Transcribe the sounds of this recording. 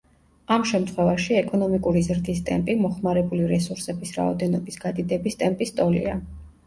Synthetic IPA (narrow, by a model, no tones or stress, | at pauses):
amʃɛmt̪ʰχwɛvaʃiɛkʼɔnɔmikʼuɾizɾd̪ist̪ʼɛmpʼimɔχmaɾɛbuliɾɛsuɾsɛbisɾa̰ɔ̰d̪ɛnɔbisɡad̪id̪ɛbist̪ʼɛmpʼist̪ʼɔlḭa